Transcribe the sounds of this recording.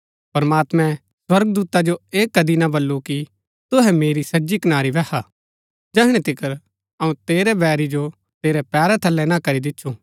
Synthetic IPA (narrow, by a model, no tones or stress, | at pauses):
pɐɾmaːt̪mɛ̃ | swɐɾɡəd̪uːt̪ad͡ʒoeːkːɐd̪inãbɐlːuki | t̪ʊɦɛmeːɾisɐːd͡ʒikɐnaːɾiʋɛha | d͡ʒɛːɦɽ̃ẽt̪ɪkəɾ | ɐũt̪eːɾɛbɛːɾid͡ʒo | t̪eːɾɛpɛːɾɛt̪ʰɐlːɛnãkɐɾid̪ɪtːʃʰu